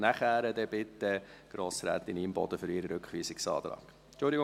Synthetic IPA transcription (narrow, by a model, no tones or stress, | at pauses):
næχæːɾədɛbɪt̪ːəɡ̥ɾoːsɾæ̰ːt̪ɪniːmbɔd̥̪əfʏɾiɾəɾʏkχʋiːsɪksɑ̰ːt̪ɾɑ̰ːɡ̥ | t͡ʃʊld̪ɪɡʊ